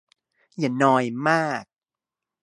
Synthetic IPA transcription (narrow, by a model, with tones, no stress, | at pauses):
ja˨˩˦nɔː˧jmaː˥˩k̚